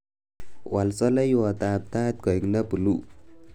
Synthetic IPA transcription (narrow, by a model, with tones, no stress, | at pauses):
wa˨lsɔ˦la˦jwa˨t̪ap̚t̪a˦t̪̚ɡ̥ɔ˨i˨knabu˨lu˦